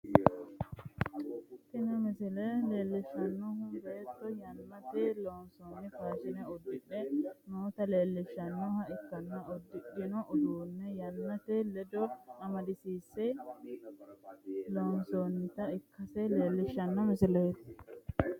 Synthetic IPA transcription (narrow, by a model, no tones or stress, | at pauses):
t̪ɪnɐmɪsɪlɛle̞ːlːɪʃːɐnːɔhʊbeːt̪ːɔjɐnːɐt̪ɛloːnsonːɪfaːʃɪnɛɔd̪ːɪᶑɛmoːt̪ɐle̞ːlːɪʃːɐnːɔhɐɪkːɐnːɐʔɔd̪ːɪʔɪnɔʔɔd̪uːnːɛjɐnːɐt̪ɛlɛd̪ɔɐmɐd̪ɪsiːsːɛ | loːnsonːɪt̪ɐɪkːɐsɛle̞ːlːɪʃɐnːɔmɪsɪlɛt̪ː